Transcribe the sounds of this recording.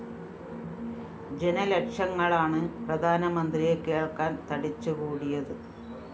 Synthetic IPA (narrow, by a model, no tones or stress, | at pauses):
d͡ʑe̞nɐlekʂɐŋːɐɭaːɳɨprɐd̪ʱaːnɐmɐnd̪rijekːe̞ːɭkaːnt̪ɐɽit͡ɕːukuːɽijɐðɨ